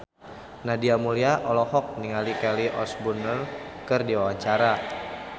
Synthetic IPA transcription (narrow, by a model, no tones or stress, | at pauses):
nadiamuliaʔɔlɔhɔk̚niŋalikɛliʔɔsbunərkɨrdiawat͡ʃaɾa